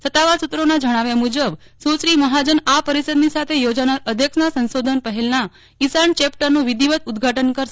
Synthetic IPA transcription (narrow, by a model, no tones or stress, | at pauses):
sət̪ːaʋaɾsut̪ːɾonad͡ʒəɽ̃aʋjamud͡ʒəb | sut͡ʃɾiməɦad͡ʒənapəɾisəd̪nisat̪ʰejod͡ʒanaɾəd̪ʱjəkʃnasə̃nsod̪ʱənpəɦelna | isaɳt͡ʃep̚ʈəɾnũʋid̪iʋət̪ud̪ɡʱaʈənkəɾʃ